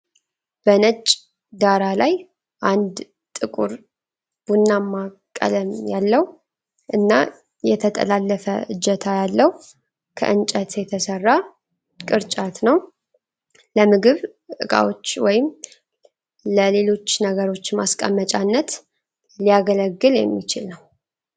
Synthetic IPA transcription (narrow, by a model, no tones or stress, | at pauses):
b̥ənət͡ʃʼː | d̪aɾalaj | ʔand̪ | t̪ʼɨkʼuɾ | b̥unːamːakʼːə̰ləmjalːəh | ʔɨnːa | jɛt̪ʰət̪ʼə̰lalːəfəɨd͡ʒːɛt̪ʰajalːəh | kʰə̰ʔɨnt͡ʃʼət̪jɛt̪ʰəsərːa | kʼɨɾt͡ʃʼat̪nəw | ləmɨɡɨβʼ | ɨkʼa̰wo̞t͡ʃːwɔjɪm | ləle̞lo̞t͡ʃːnəɡəɾo̞t͡ʃːmaskʼə̰mːət͡ʃʼanːət̪ | lijaɡələɡːɨljɛmːit͡ʃɪlnəw